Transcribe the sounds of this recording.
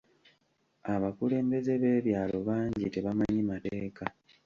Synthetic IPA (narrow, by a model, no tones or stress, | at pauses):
aβakule̞ːmbe̞ze̞βe̞ːβjaːlo̞βaːɲɟite̞βamaɲimate̞ːka